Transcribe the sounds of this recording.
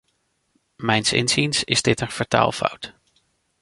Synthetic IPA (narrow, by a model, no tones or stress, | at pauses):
mɛjnsɪ̰nzinsɪzdɪtənfaɹta̰ːlˠfɑ̰wt